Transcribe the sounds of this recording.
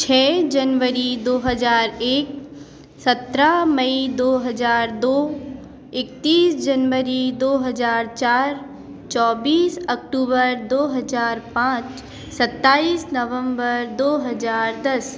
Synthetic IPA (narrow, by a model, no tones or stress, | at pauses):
t͡ʃʰɛːd͡ʒənʋəɾid̪oːɦəd͡ʒaːɾeːk̚ | sɐt̪ɾamɐid̪oːɦəd͡ʒaːɾd̪oː | ɪk̚t̪iːsd͡ʒənʋəɾid̪oːɦɐd͡ʒaːɾt͡ʃaːɾ | t͡ʃɔːbiːsɐk̚ʈuːbəɾd̪oːɦɐzaːɾpãːt͡ʃ | sɐt̪ːaːiːsnɐʋə̃mbəɾd̪oːɦɐzaːɾd̪ɐs